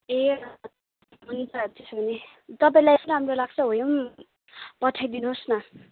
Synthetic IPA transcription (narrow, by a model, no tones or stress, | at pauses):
e | mʌnit͡sʰat̪esbʱʌne | t̪ʌp̬aĩlajesnʌɦamrolaɡ̚t͡sʰʌɦojom | pʌʈʰajd̪inuɦsnʌ